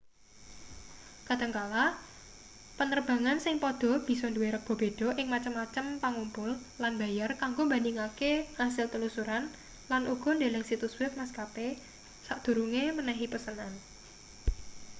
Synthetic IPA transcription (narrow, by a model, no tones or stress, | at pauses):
ka̤d̪əŋkala | pənərb̥ä̤ŋansɪŋpɔd̥ɔ̤b̥i̤sɔnduweɾək̚b̥ɔ̤b̥e̤d̥ɔ̤ʔɪŋmat͡ʃəmːat͡ʃəmpaŋumpʊllanbä̤jarkaŋɡombandɪŋakehasɪlt̪əlusuɾan | lanʔuɡ̥ɔ̤nda̤lɛŋsit̪uswɪf̚maskape | saʔd̪̥ṳɾuŋemənaɦipəsənan